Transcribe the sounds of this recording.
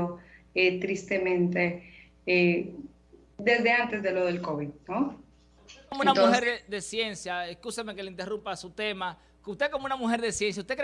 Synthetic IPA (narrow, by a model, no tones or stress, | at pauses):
o | et̪ɾist̪emẽnt̪e | e | d̪ezðeant̪ezðeloðelkoβiðno | omounat̪uheɾed̪esje̞nsjaeskusameke̞leint̪erumpasut̪e̞ma | kust̪ekomounamuxe̞ɾðesjens̬jaust̪ekɾ